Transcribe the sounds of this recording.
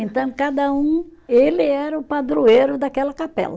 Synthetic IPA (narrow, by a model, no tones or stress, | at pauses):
ẽnt̪ɐ̃w̃kad̪ɐũelɪɛɾɐʊpad̪ɾueɾʊd̪akɛlɐkapɛ̰lɐ